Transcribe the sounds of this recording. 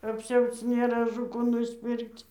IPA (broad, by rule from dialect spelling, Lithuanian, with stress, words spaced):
ɐpʲˈsʲɛʊt͡s nʲeːˈrɐ ɐʒʊ ˈkuː nʊsʲˈpʲɪrkt͡s